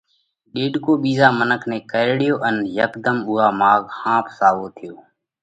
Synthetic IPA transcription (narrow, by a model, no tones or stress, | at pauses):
ɗeːɗkoːɓiːzaːmənəkʰnẽːkəɽɪjoːʔənjəkd̪əmʊːɦaːmaːɡhãːpsaːʋoːt̪ʰɪjoː